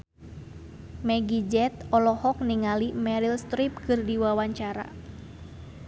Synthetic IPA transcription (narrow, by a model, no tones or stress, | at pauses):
mɛɡid͡ʒɛt̪̚ɔlɔhɔk̚niŋalimɛɾilst̪ɾip̚kɨrdiwawaɲt͡ʃaɾa̰